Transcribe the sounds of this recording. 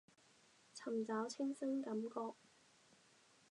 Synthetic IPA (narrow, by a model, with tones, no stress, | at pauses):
t͡sʰɐ˨˩mt͡saː˨˥wt͡sʰɪ˥ŋsɪ˥ŋkɐ˨˧˦mkɔː˧k̚